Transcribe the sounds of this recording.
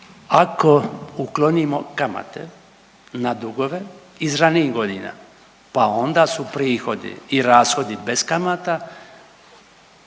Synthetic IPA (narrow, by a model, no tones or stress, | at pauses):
ako̞uklˠonimo̞kama̰t̪ḛ | nad̪uɡo̞ʋe̞ | izɾaniːɡo̞d̪iːna̰ | pao̞nd̪aːsupɾiːxo̞d̪ḭiɾaːsxo̞d̪ibeskamat̪a